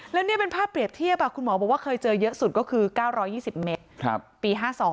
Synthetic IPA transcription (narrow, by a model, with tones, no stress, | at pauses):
lɛː˦˥wni˥˩ɐpe˧npʰaː˥˩pːɾi˨˩əp̚t̪ʰi˥˩əp̚ːaː˨˥˩kʰu˧nmɔː˩˦bɔ˨˩kwaː˥˩kʰɤː˧jt͡ɕɤː˧jɤ˦˥ʔsu˨˩kɔː˥˩kʰɯː˧kaː˥˩wɾɔː˦˥jːiː˥˩si˨˩p̚me˦˥t̪̚kʰa˦˧˩p̚piː˧ɦaː˥˩sɔː˩˦ŋ